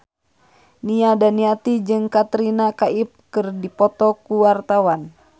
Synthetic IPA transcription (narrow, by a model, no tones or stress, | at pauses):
niadaniat̪id͡ʒɨŋkat̪ɾinakaip̚kɨrdipɔt̪ɔkuwart̪awan